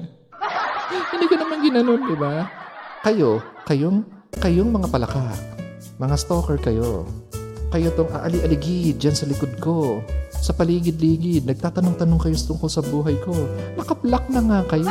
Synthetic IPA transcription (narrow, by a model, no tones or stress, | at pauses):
hɪnd̪iːkonɐmaŋɡɪnɐno̞nd̪ɪbakɐjo̞kɐjoŋ | kɐjoŋmɐŋapɐlɐka | mɐŋast̪oːkɛɹkɐjo̞̰ | kɐjot̪oŋʔa̰ʔɐliʔɐlɪɡɪd̪̚d͡ʒansɐlɪkod̪̚ko̞sɐpɐliːɡɪd̪̚liːɡɪd̪̚nɐɡ̚t̪aːt̪ɐnoŋt̪ɐno̞ŋkɐjost̪ʊŋkosɐbuːɦɐjko̞nɐkɐplɐk̚nɐŋakɐjo